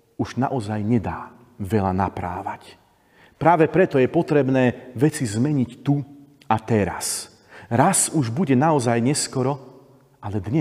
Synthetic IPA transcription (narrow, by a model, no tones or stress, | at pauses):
uʒnaʔɔzajɲɛd̪aː | ʋɛlanapɾa̰ːʋac | pɾaːʋɛpɾɛt̪ɔjɛpɔt̪ɾɛbnɛːʋɛt͡sizmɛɲict̪u | at̪ɛɾa̰s | ɾasuʒbuɟɛnaɔzajɲɛskɔɾɔ | alɛd̪ɲɛ